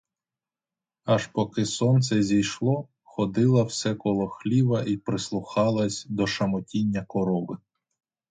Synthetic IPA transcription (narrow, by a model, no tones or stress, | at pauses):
ɐʃpɔkɪsɔnt̪sɛzʲijʃlˠɔ | xɔd̪ɪlˠɐwsɛkɔlˠɔxlʲiʋɐʔipɾɪslˠʊxɑlˠɐsʲd̪ɔʃɐmɔtʲinʲːɐkɔɾɔʋɪ